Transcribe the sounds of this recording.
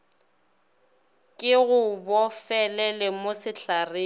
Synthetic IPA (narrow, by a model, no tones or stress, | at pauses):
kʼɪɣʊbɔfɛlɛlɛmosɪɬareː